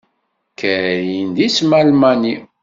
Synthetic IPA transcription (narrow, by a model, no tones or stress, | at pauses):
kəɾjind̪ismælmæni